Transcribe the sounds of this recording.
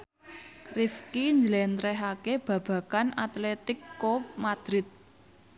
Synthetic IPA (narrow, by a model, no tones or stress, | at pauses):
rifkiɲd͡ʒlɛnt̪ɾɛɦakeb̥ä̤b̥ä̤kana̰t̪let̪ɪkːop̚mad̪̥ɾɪt̪̚